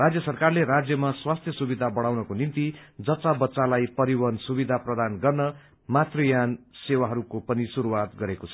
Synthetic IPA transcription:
rad͡zjʌsʌrkarleɾad͡zjʌmaswast̪ʰjʌsubid̪ʱabʌɽ̃awnʌkonint̪id͡zʌt͡sabʌtːsalajpʌɾiwʌnsubid̪ʱaprʌd̪anɡʌrnʌ | mat̪rʌjansewaɦʌɾukopʌnisuɾuwat̪ɡʌɾekot͡sʰʌ

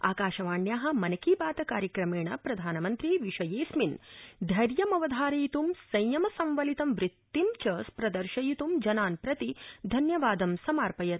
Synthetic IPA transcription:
a̰ːkaːʃɐʋaːɳjaːɦɐ̆mɐnɐkiːbaːt̪ɐkaːɾjɐkɾɐmeːɳɐpɾɐd̪ʱaːnɐmɐnt̪ɾiʋiʃɐjeːsmind̪ʱɐɾjɐmɐʋɐd̪ʱaːɾɐjit̪umsɐjjɐmɐsɐmʋɐlit̪ɐmʋɾɪt̪ːimt͡ʃɐːspɾɐd̪ɐɾʃɐjit̪umd͡ʒɐnaːnpɾɐt̪id̪ʱɐnjɐʋaːd̪ɐmsɐmaːɾpɐjɐt̪̚

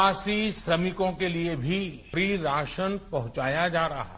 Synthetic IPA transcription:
aːsiʃɾɐmɪkõkeliebʱipɾiːɾaːʃənpɐɦʊ̃t͡ʃaːjad͡ʒaːɾɐɦa̰ː

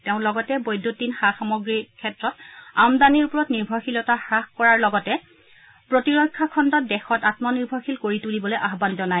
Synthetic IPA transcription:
teʊ̃lɔɡɔtɛbojdʱːotinxaxamɔɡɹikʰɛtɹɔtamdaniɹpɔɹɔtniɹbʱɔxilɔtaxɹaxkɔɹaɹlɔɡɔtɛ | pɹotiɹɔjkʰːakʰɔndɔt̚dɛxɔtatmɔniɹbʱɔxilkoɹitulibɔlojʔaɦbanzɔnaj

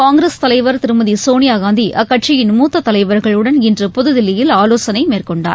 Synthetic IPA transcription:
kaːŋɡɾest̪ɐlɐɪʋɐɾt̪ɪɾɯmɐðisoːnɪjaːɣaːnd̪iʔʔɐkːɐʈt͡ʃɪjɪnmuːt̪ːɐt̪ːɐlɐɪʋɐɾɣɐɭɯɽɐnɪndrɯpɔðɯðɪlːɪjɪlaːloːsɐnɐɪmeːrkɔɳɖa̰ːɾ

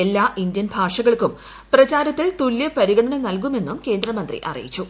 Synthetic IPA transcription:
e̞lːaːʔind̪jɐnbʱaːʂɐɣɐɭkum | prɐt͡ɕaːɾɐt̪ːilt̪uljɐpɐɾiɣɐɽɐɳɐmnɐlkume̞nːumke̞ːnd̪ɾɐmɐnd̪rḭʔɐ̰rḭjit͡ɕːu

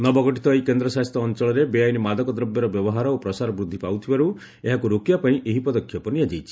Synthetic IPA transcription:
nɔbɔɡɔʈit̪ɔikend̪ɾɔsaɦɔst̪ɾɔːnt͡ʃɔɭɔɾebeajnimad̪ɔkɔd̪ɾɔbjɔɾɔbjɔbɔɦaɾɔopɾɔsaɾɔbɾud̪ʱːipawt̪ʰibaɾu | eɦakuɾokibapaĩʔeɦipɔd̪ɔkʰːjɔpɔnijad͡ʒejt͡ʃʰi̥

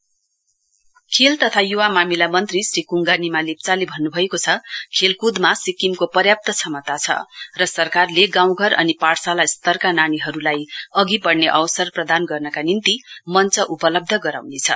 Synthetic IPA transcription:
kʰelt̪ʌt̪ʰajuwamamilamʌnt̪risrikuŋɡanimalep̚t͡salebʱʌnːubʱʌekot͡sʰʌkʰelkud̪masikimkopʌrjap̚t̪ʌsʰʌmʌt̪at͡sʰʌ̰rʌsʌrkarleɡãw̃ɡʱʌrʌ̰nipaɽsalast̪ʌrkananiɦʌɾulajʌɡipʌɽneʔʌwsʌrprʌd̪anɡʌrnʌkanint̪imʌnt͡sʌʔupʌlʌb̚d̪ʱʌɡʌɾa̰wnet͡sʰʌ̰

